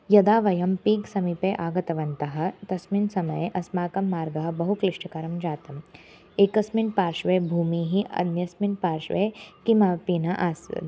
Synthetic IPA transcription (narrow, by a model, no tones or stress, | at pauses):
jɐd̪aːʋɐjɐmpiːksɐmipeʔaːɡɐt̪ɐʋɐnt̪ɐɦɐ̆t̪ɐsminsɐmɐjʔɐsmaːkɐmːaːɾɡɐɦɐbɐɦukliʂʈʰɐkɐɾɐmd͡ʒaːt̪ɐm | eːkɐsminpaːɾʃʋeːbʱuːmiːɦiʔɐ̰d̪mjɐsminpaːɾʃʋḛːkimaːpiːnɐʔaːsɐ̰